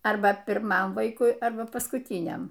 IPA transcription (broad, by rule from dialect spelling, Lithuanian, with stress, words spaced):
ˈɐrbɐ pʲɪrˈmɐm ˈʋɐɪkʊɪ ˈɐrbɐ pɐskʊˈtʲiːnʲɛm